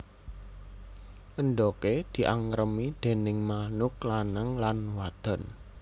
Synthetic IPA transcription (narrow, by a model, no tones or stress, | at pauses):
ʔənɖ̪ɔked̪̥i̤ʔaŋɾəmid̪̥e̤nɪŋmanʊk̚lanəŋlanwad̪̥ɔ̤n